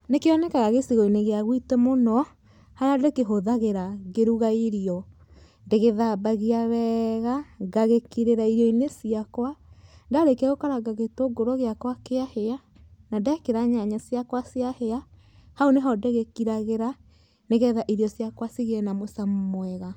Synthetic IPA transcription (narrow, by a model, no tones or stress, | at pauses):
nekeɔnɛkaɣaɣesiɣɔineɣeaɣwitɛmonɔ | haɾeadekeɦoðaɣeɾaɣeɾuɣaiɾiɔ | ndeɣeðaːbaɣiaβɛːɣaɡaɣekiɾeɾaiɾjɔinesiakwaŋɡaɾekɛɣokaɾaɡaɣetoɡoɾoɣeakwakeahea | nadakeɾaɲaɲasiakwasjahea | haoneɦɔdeɣekiɾaɣeɾa | neɣɛðaʔiɾjɔsjakwasiɣeɛnamosammwɛɣa